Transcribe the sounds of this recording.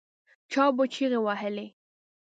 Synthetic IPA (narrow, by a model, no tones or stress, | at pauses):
t͡ʃɑbot͡ʃʰiɣewaɦəle